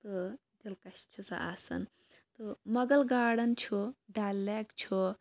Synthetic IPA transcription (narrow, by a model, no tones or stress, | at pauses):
t̪ɨ | d̪ilkɐst͡ʃʰusa̰ʔa̰ːsɐ̰n | t̪omɐɡɐlɡaːɽɐnt͡ʃʰuɖaːlːaːkt͡ʃʰu